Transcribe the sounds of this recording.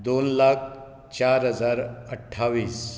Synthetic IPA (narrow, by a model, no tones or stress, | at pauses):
d̪onlak̚ʰ | t͡ɕaɾɦəd͡zaɾəʈʰːaʋiːs